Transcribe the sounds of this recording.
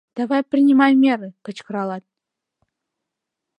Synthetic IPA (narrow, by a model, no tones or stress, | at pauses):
d̪̥ɑvɑjprʲɪnʲimɑjmʲeɾɨkə̆t͡ɕkɤ̆ɾɑlˠɑt̪̚